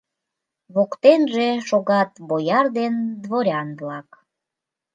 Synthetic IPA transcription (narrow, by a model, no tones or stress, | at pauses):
βokt̪enʒeʃoɣɑt̪βojɑrd̪end̪βoɾʲɑnβlɑk